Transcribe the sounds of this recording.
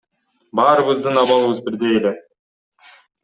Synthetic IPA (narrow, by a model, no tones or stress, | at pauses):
bɑːɾɯβɯzd̪ɯnɑβɑlˠɯβɯzbiɾd̪ejele